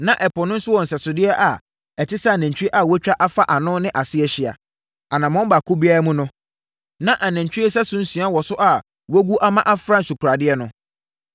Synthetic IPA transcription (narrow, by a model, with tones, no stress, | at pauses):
nã˨ʔɛ˨pʰɔ˨nʊ̃˦n̩˦sʊ˦wɔ̃˨n̩˨sɛ˨sʊ˨dɪ˦ɛ˦ʔa˨ | ɛ˨tʰɪ˦sa˦˨næ̃˨ɲ˨t͡ɕᶣi˦e˦ʔa˨wɔ˦t͡ɕᶣa˦ʔa˦fa˦ʔa˨nʊ̃˦nɪ̃˦ʔa˨sɪ˦ɛ˨ɕɪ˨a̰˨ | a˨nã˨mɔ̃˦m˦ba˨kʰʊ˦bi˦a˦ɾa˦mũ˦nʊ̃˦ | nã˦ʔa˨næ̃˨ɲ˨t͡ɕᶣi˦e˦sɛ˦sʊ̃˦n̩˦sɥ̃a˦wɔ˨sʊ˦ʔa˨ | wo˦ɡu˦ʔa˦mã˦ʔa˦fɾã˦n̩˨su˨kʰɾa˨dɪ˦ɛ˦nʊ̃˨